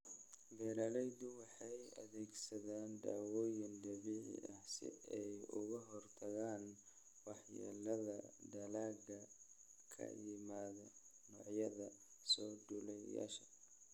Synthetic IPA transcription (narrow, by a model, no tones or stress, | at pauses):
bɛːlɐlɛjd̪ʊwɑħɑjɐðɛːɡsɐðaːnd̪a̰ːwɔːjɪnd̪ɐβiʕɪ̰ʔɐhsɪ̰ɛjʊɣɐɦɔrt̪ʰɐɣaːn | wɑħja̰ːlɐðɐd̪ɐlaːɡɐkʰɐ̰jɪmaːðɐnɔːʕjɐðɐ | sɔːɖʊlɛja̰ːʃɐ̥